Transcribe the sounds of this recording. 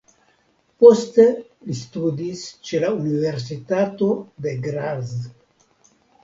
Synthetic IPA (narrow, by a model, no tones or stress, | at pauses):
post̪elist̪ud̪ist͡ʃelauniveɾsit̪at̪od̪eɡɾaz